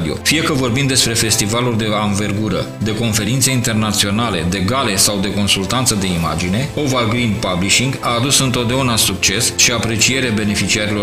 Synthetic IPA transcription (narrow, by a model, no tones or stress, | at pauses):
d̪io̞̰fijekəvo̞rbimd̪e̞spɾe̞fe̞st̪ivalurd̪e̞anve̞rɡuɾə | d̪e̞ko̞nfe̞ɾint̪seint̪e̞rnat̪sio̞nale̞d̪e̞ɡale̞sawd̪e̞ko̞nsult̪ant̪səd̪e̞ima̰d͡ʒine̞ovalɡɾinpabliʃiŋɡaːd̪usɨnt̪o̞t̪̚d̪eaunasuk̚t͡ʃe̞sʃiapɾe̞t͡ʃije̞ɾeabe̞ne̞fit͡ʃiaɾilo̞r